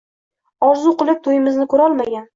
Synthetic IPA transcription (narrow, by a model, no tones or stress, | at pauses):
ɒzʊqʊlˠɪp̚t̪ʰojɪmɪznɪkʰɵɾɒlˠmaɡʲan